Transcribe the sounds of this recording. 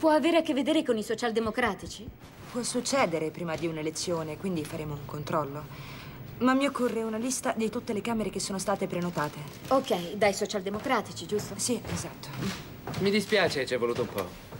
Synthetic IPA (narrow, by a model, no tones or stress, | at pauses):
pwɔaveːɾeakːevːed̪eːɾekonisot͡ʃald̪emokɾaːt̪it͡ʃi | pwɔsut͡ʃːɛːd̪eɾepɾiːmad̪iunelet̪sːjoːnekwind̪ifaɾʔeːmouŋkont̪ɾɔlːo | mamːiokːorːeunalist̪ad̪it̪ut̪ːelekaːmeɾekesːoːnost̪aːt̪epɾenot̪aːt̪e | okːɛjd̪ajsot͡ʃald̪emokɾaːt̪it͡ʃid͡ʒust̪osiezat̪ːo̥ | mid̪ispjaːt͡ʃet͡ʃɛvoluːt̪oumpɔ̰